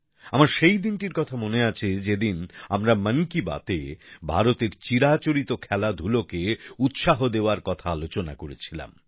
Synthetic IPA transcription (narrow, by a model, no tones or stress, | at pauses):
amaɾʃejd̪inʈiɾkɔt̪ʰamoneat͡ɕʰed͡ʑed̪inamɾamənkiba̰t̪ebʱa̰ɾot̪eɾt͡ɕiɾat͡ɕoɾit̪okʰɛlad̪ʱulokeut̪ʃaɦod̪eoaɾkɔt̪ʰaalot͡ɕona̰koɾet͡ɕʰila̰m